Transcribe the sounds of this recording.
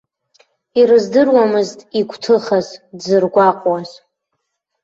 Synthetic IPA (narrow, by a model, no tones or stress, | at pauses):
iɾɨzdɨrwamɨztʼiɡʷʰʼtʰɨχazdzɨrɡʷaqʼwaz